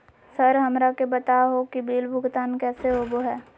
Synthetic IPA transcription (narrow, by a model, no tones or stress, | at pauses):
sɐɾɦɐmɾakebɐt̪aɦokibiːlbʱʊɡt̪aːnkɛːseoːboɦɛː